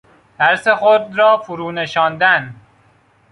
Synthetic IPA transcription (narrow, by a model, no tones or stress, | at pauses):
d̪̥æɾsexod̪ɾɒːfuɾuːneʃɒːnd̪æn